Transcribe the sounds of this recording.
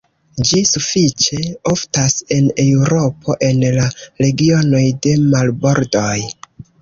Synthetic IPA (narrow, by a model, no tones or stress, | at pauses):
d͡ʒisufit͡ʃe̞oftase̞newɾo̞pʰo̞ʔe̞nlaɾe̞ɡio̞no̞jde̞malbo̞ɾdo̞j